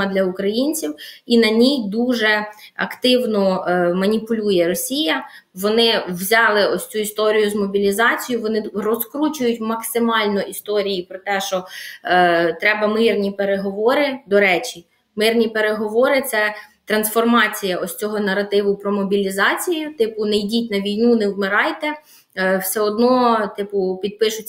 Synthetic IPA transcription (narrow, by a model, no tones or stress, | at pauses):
ɐd̪lʲɐʊkɾɐjinʲt͡sʲiwinɐnʲijd̪uʒɛɐ̰kt̪ɪwnɔmɐnʲipʊlʲujɛɾɔsʲijɐʋɔnɪwzʲɑlˠɪɔsʲt͡sʲuist̪ɔɾʲijʊzmɔbʲilʲizɑt͡sʲijʊʋɔnɪrɔskɾut͡ʃʊjʊtʲmɐksɪmɑlʲnɔʔist̪ɔɾʲijipɾɔt̪ɛʃt͡ʃɔ | t̪ɾɛbɐmɪrnʲipeɾeɦɔʋɔɾɪd̪ɔɾɛt͡ʃʲi | mɪrnʲipeɾeɦɔʋɔɾɪt̪sɛt̪ɾɐnsfɔrmɑt͡sʲijɐʔɔsʲt͡sʲɔɦɔnɐɾɐt̪ɪʋʊpɾɔmɔbʲilʲizɑt͡sʲijʊt̪ɪpʊnɛjdʲitʲnɐʋʲijnunɛwmɪɾɑjt̪ɛ | wsɛɔd̪nɔt̪ɪpʊpʲid̪̚pɪʃʊtʲ